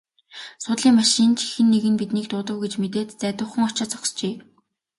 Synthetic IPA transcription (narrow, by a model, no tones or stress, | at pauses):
sʊt̪ɮiːŋmaʃĭnt͡ɕʰi̥xɘ̆nːeɣɘ̆npit̪niːk̚t̪ʊːt̪ə̆wɡet͡ɕmet̪eːt̪t͡sæːt̪ʊ̆χə̆ŋɔt͡ɕăt͡sɔ̥kst͡ɕeː